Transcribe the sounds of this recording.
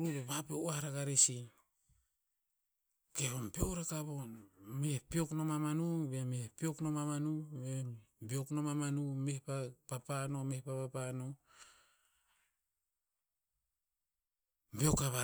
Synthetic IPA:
uβeβapioaɾaɡaɾesin | ke̞βompioɾakaβonmehpio̞knomamanubemepio̞knomamanubebio̞knomamanumehpapapano̞mehpapapano | mbio̞kaβa

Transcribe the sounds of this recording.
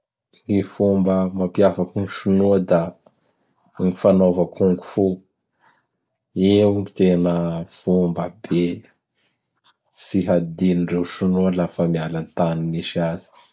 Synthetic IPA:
ŋifumbəmapiavakuŋuʃunuəd̪a | ŋifanovakuŋɡu̥fu | eŋit̪enəfumbəbe | t͡siɦad̪inirewʃunuəlafəmialanit̪aniniʃiazi̥

